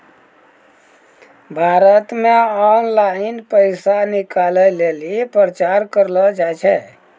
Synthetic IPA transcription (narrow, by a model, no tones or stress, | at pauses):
bʱaɾət̪meɔnlainpəɪsanikaləlelipɾət͡ʃaɾkəɾlɔd͡ʒajt͡ʃʰɛ